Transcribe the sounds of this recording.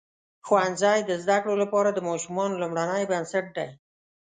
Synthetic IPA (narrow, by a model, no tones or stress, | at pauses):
xwanzɑjd̪əzd̪akɽolapɑɾad̪əmɑʃumɑnolumɽanəjbansaʈ̚ɖ̪a̰j